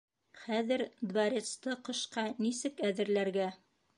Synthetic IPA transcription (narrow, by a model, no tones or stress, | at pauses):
χæðɘɾd̪bæɾʲet̪st̪ɤqɤ̆ʃqɑnisɘkæðɘ̆ɾlæɾɡæ